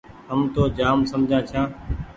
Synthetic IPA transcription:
ɦəmt̪oːd͡ʒaːmsəmd͡ʒʱãːt͡ʃʰãː

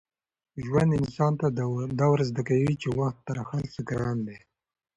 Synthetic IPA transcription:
ʒwand̪ɪnsɑnt̪ad̪awɾazd̪akawit͡ʃewaxt̪ːaɾaxalsɪkɾɑnd̪e

